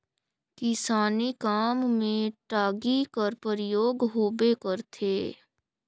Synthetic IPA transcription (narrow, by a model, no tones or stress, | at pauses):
kɪsaːnikaːmːẽʈaːɡikəɾpəɾɪjoːɡɦoːbekəɾt̪ʰeː